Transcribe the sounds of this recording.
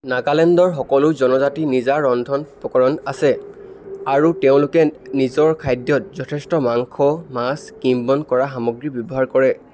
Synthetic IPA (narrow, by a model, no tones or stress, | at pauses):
nakalɛndɔɹxɔkɔlʊzɔnɔzatinizaɹɔndʱɔnpɔkɔɹɔnasɛ | aɹuteʊ̃lʊkɛnizɔɹkʰajdjɔt̚zɔtʰɛstɔmaŋkʰɔmaskimbɔnkɔɹaxamɔɡɹibjɔbɔɦaɹkɔɹɛ